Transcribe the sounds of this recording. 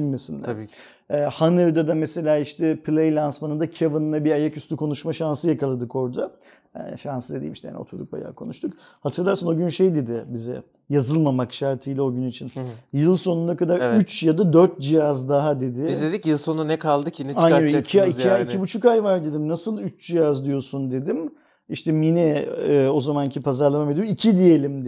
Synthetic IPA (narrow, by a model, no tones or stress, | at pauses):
ʃimmesind̪ɛ̰ | ɛːhanɯɾd̪ad̪amese̞lʲaːiʃt̪ʰɛpʰlʲˠejlʲansmanɯnd̪acʰevɯnɯlˠabiajacyst̪ʰykʰo̞nuʃmaʃansɯjakalˠad̪ɯko̞ɾd̪a | ɛ̰ʃansɯd̪ed̪ḭjmiʃt̪ɛja̰ːnio̰t̪ʰuɾd̪uk̚ba̰ja̰ːkʰo̞nuʃt̪ʰuk | hat̪ʰɯɾlˠaɾsɯno̞ɟynʃe̞jd̪e̞d̪ɪbizɛ̰ | jazɯlˠmamakʃaɾt̪ʰɯjlʲɛo̞ɟynit͡ʃʰinjɯlˠso̞nund̪akad̪aɾyt͡ʃjad̪ad̪øɾt̪̚d͡ʒijazd̪aɦad̪e̞d̪ɪbizd̪ed̪ikjɯlˠsonanɛkʰalˠd̪ɯkʰinit͡ʃaaoicʰiaiiaicʰibut͡ʃʰukajvaɾd̪e̞d̪imnasɯlˠyt͡ʃd͡ʒijazd̪ijo̞sund̪e̞d̪im | iʃt̪ʰɛminɛːo̞zamancʰipʰazaɾlˠamamed̪iicʰid̪ije̞lʲimd̪